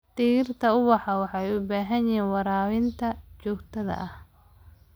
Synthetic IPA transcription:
t̪iːrt̪ʰɐʊwɑħɑwɑħɑjʊbaːɦɐnjɛnwɑɾaːwɪnt̪ʰɐt͡ʃɔːɡt̪ʰɐðɐ̰ʔɐh

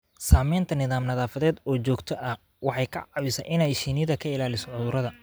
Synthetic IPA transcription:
saːmɛjnt̪ʰɐnɪðaːmnɐðaːfɐðɛːd̪ɔːt͡ʃɔːɡt̪ʰɔʔɐh | wɑħɑjkʰɐ̰ʕɑwɪsɐʔɪnɛjʃiːnɪjðɐkʰɐɪlaːlɪsɔʕʊðʊɾɐðɐ

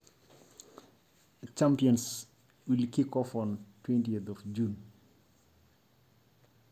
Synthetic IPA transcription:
t͡ʃampiɔns | wilkikːɔfɔntwɛntietɔfd͡ʒun

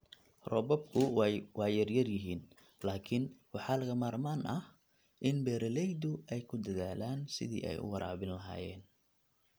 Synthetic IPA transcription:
rɔːbɔb̚kʰʊwɑːjɐrjɐrjɪɦiːn | laːkʰɪnwɑħɑːlɐɣɐmaːrmaːnʔɐh | ʔɪnbɛːɾɐlɛjd̪ʊʔɛjkʰʊd̪ɐðaːlaːnsɪ̰ðḭːʔɛ̰jʊ̰wɑɾa̰ːβɪnlɐɦa̰ːjɛ̰ːn

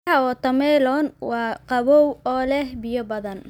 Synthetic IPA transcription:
ɐɔːt̪ʰɐmɛlɔnwɑːqɑβɔwɔːlɛhbɪjɔbɐðɐn

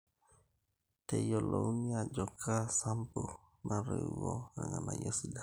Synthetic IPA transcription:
tejolouniad͡ʒokʰasampo | nʔaɾewoɾaŋanajosida

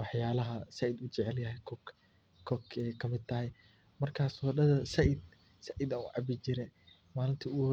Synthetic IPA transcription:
wɑħjaːlɐɦɐsɐʔɪd̪ʊt͡ʃɛʕɛljɐɦɛjkʰɔ | kʰɔkɛkʰɐmɪd̪̚t̪ʰɐɦɛj | mɐrkʰaːsɔɗɐðɐsɐʔɪd̪̚ | sɐʔɪd̪aʊʕɑbɪt͡ʃɪɾɛ | maːlɪnt̪ʰɐʊh

